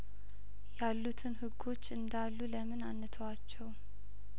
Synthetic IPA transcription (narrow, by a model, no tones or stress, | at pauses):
jalːut̪ʰɨnhɨɡo̞t͡ʃːɨnd̪alːuləmɨnanːɨt̪ʰəwat͡ʃːɛw